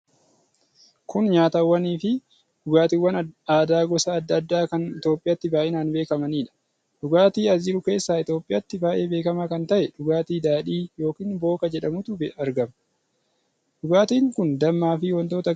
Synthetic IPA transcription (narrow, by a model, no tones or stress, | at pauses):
kʊnɲaːt̪ɐwːɐniːfɪ | ᶑʊɡaːt̪iːwːɐnaːd̪aːɡɔsɐːd̪ːɐd̪ːaːkɐnɪt̪jo̞ːpʼɪjɐt̪ːɪbaːʔɛːnaːnbe̞ːkɐmɐniːᶑɐ̥ | ᶑʊɡaːt̪iːɐzɪːɾʊke̞ːsːaːɪt̪jo̞ːpʼɪjɐt̪ːɪbaːʔe̞ːbe̞ːkɐmakɐnt̪ɐʔɛᶑʊɡaːt̪iːd̪aːᶑiːjo̞ːkiːnbo̞ːkɐd͡ʒɛᶑɐmʊt̪ʊbɐɾɡɐmɐ | ɗʊɡaːt̪iːŋkʊnd̪ɐmːaːfɪwɐnt̪o̞ːt̪ɐ